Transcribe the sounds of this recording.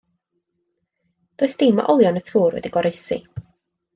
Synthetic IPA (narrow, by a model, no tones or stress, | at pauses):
d̥oːɨsd̥ɪma̰ʔɔlˠjɔnətʰuːrwɛ̰diɡɔɾejsḭ